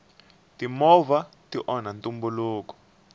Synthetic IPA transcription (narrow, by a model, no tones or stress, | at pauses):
timɔva | tiʔɔnantumbuluːkɔ̥